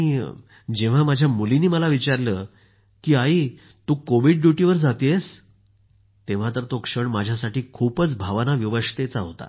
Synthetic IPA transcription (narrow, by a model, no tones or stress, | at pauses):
i | d͡ʑeʋ̤amad͡ʑʱjamuliniːməlaʋit͡ɕaɾləː | kiːai | t̪uːkoʋiɖɖjuʈiʋəɾd͡zat̪es | t̪ẽʋ̤at̪əɾt̪okʂəɳmad͡ʑʱjasaʈiːkʰuːpət͡sbʱaʋnaʋjiʋəʂt̪et͡saɦot̪a̰